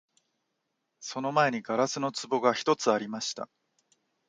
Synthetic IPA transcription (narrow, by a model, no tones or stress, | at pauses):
so̞no̞mae̞ɲ̟iɡaɾasɨno̞t͡sɨbo̞ɡaçi̥t̪o̞t͡sɨaɾʲimaɕi̥t̪a̰